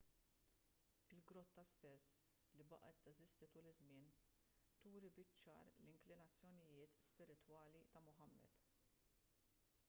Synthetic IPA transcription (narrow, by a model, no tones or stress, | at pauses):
ɪlɡɾɔt̪ːɐst̪ɛsː | libɐ̰ʔɛt̪ːɛzɪst̪ɪt̪uːlɪzmɪːn | t̪uːɾibɪt͡ʃːɐ̰ːɾlɪŋklɪnɐt͡sːjɔnɪjɪːt̪spɪɾɪt̪wɐːlit̪ɐmʊħɐmːɛ̰d̪̥